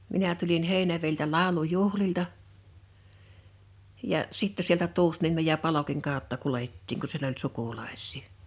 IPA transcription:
minæ tulin heˑinæʋeiltæ lɑˑu̞lujuhliltɑ jɑ sitːæ sieltæ tuːsniemej jɑ pɑlokiŋ kɑˑo̝tːɑ kuletːiːŋ ku siel olʲ sukulɑe̝sˑi̥ː

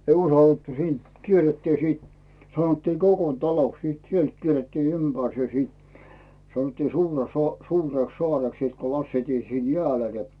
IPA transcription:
ei usɑlːetːu siːnt kierːetːiː siːt sɑnotːiː kokon tɑloks siˑt sielt kierːetːiː ympærse siˑt sɑnotːiː suːrɑsɑ suːreksːoɑreks siˑt ku lɑsːeitiː siːn jeæˑle ne

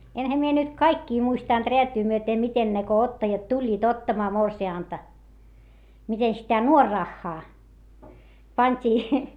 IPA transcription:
enhæ mie nyt kɑikːiː muistɑˑnt reætyː myøte miten ne ko otːɑjɑt tulʲːiːt otːɑmɑː morsiɑˑntɑ mite sitæ nuorːɑxːɑː pɑnʲtʲiː

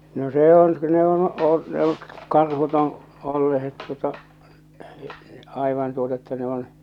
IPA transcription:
no se on ne on oi ne oŋ kɑrhut õː olːehet tuotɑ ɑiʋɑn tuotɑ etːæ ne on

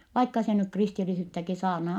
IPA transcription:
ʋɑikːɑ se nyk kristilisyːtːæki sɑːrnɑː

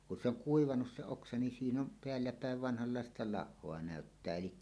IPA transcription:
kun se oŋ kuiʋɑnus se oksɑ nin siːn om peælːæpæˑeʋ ʋɑnhɑlːɑˑestɑ lɑhːoɑ næˑøtːæː elikːæ

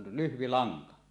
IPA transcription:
lyhʋi lɑŋkɑ

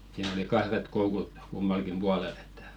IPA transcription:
siːn oli kɑhret koukut kumːɑlkim b̥uɑlel e̥tːæ̥

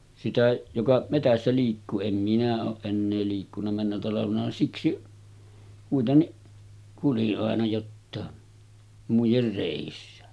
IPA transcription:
sitæ jokɑ metæsːæ liːkːuː em minæ oːʔ ʔenːeː liːkːunˑɑ mænːæ tɑlɑʋenɑ siksi kuitenːiʔ kuliʔ ʔɑˑenɑ jotːɑˑe muijer reˑisːæ

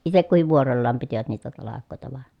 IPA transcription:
itek kuhiʋ ʋuorolːɑːm pitiʋæt niːtæ tɑlɑkˑoˑetɑ ʋɑˑe

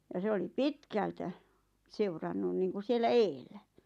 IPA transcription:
jɑ se oli pitkæltæ seurɑnːun niːŋku sielːæ eːlˑæ

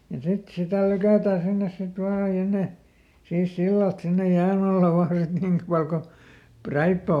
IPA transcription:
jɑ sit sitæˑ lykæˑtæː sinːes sit ʋɑː jɑ ne siːs silːɑlt sinːej jæːn ɑlːɑ ʋɑːn sit niŋk pɑl ko præipːæ

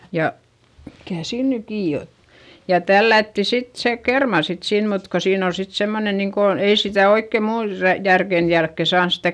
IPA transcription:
jɑ mikæˑ siːn ny kiː ot jɑ tælːætːi sit se kermɑ sit sin mut ko siːn ol sit semːone niŋko ei sitæˑ oikːe muːn ræ jærken jælkːe sɑːns stæ

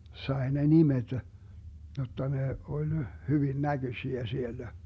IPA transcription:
sɑe ne nimed̥ jotːɑ ne olʲ hyʋin næɡ̊øsiæ sielːæ

